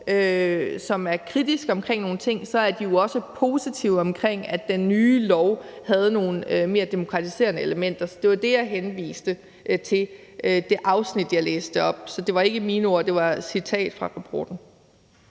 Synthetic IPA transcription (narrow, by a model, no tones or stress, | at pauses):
øsɒ̽mæɐkʰʁid̥isɡ̥ɒ̽mkʰʁeŋ̰no̝ːn̩t͡sʰe̝ŋ̰sɒ̽æɐd̥ijo̝ɒ̽səpʰo̝ːsit͡sʰiʊ̰ɒ̽mkʰʁeŋ̰æ̥d̥enːyːlɒʊhæð̞̩ˠno̝ːn̩øme̝ːɐd̥e̝mo̝kʰʁɑ̈t͡sʰise̝̰ːɐnəeləmen̰d̥ɐsɒ̽d̥e̝ʋɑ̈d̥e̝jɑ̈ɪɦenʋḭːsd̥ə | ʔt͡sʰe̝l | ʔd̥e̝ʔɑ̈ʊsnid̥jɑ̈ɪlḛːsd̥əɒ̽b̥sɒ̽d̥e̝ʋɑ̈e̝ɡ̥əmiːno̝ɐd̥e̝ʋɑ̈sit͡sʰɛ̰ːd̥fʁɑ̈ʁɑpʰɒ̰ːd̥n̩